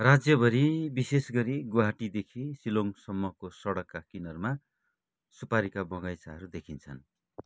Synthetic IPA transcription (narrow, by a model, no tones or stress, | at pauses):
rad͡zjʌbʱʌɾibisesɡʌɾiɡuɦaʈid̪ekʰisiloŋsʌmːʌkosʌɽʌkːakinʌrma | supaɾikabʌɡajsaɦʌɾud̪ekʰint͡sʰʌn